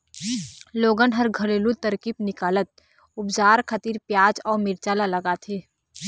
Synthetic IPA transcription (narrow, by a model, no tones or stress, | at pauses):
loːɡənɦɐɾɡʱɐleːlut̪əɾkiːpnɪkaːlət̪̚ | ʊbd͡ʒaːɾkʰət̪iːɾpjaːd͡ʒɔːɾmɪɾt͡ʃaːlalɐɡat̪ʰeː